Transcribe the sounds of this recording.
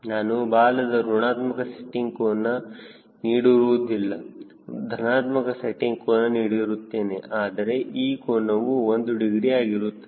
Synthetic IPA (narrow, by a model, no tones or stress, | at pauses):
naːnubaːlɐd̪ɐɾuɳaːt̪mɐkɐseʈːiŋɡkonːɐ | niːɽiɾuʋud̪ilːɐ | d̪ʱɐnaːt̪mɐkɐseʈːiŋɡkoːnːɐniːɽiɾut̪ːe̞ːneʔaːd̪ɐɾe̞ʔiːkoːɳnɐʋuond̪uɖiɡɾijaːɡiɾut̪ːe